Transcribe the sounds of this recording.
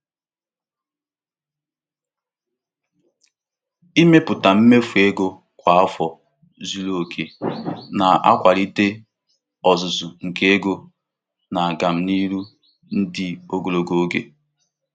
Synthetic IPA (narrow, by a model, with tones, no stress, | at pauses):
i˦me˦pʊ˨ta˨m̩˦me˦fu˨e˦ɡo˦ | kʷa˨a˦fɔ˨ | zu˦lo˦˨kʰe˨na˨a̰˦kʷa˨ɾi˦te˦ | ɔ˨zʊ˨zʊ˨ŋ̩˨ke˦e˦ɡo˦ | na˨a˨ɡa˨m̩˦ni˦ɾu˦ | n̩˦dɪ˦o˦ɡo˨lo˨ɡo˨˦ɡḛ˦